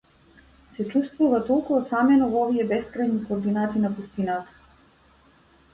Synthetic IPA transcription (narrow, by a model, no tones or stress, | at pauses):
sɛt͡ʃust̪vuvat̪olˠkuɔsamɛnɔvɔviɛbɛskɾajnikoːɾd̪inat̪inapust̪inat̪ḁ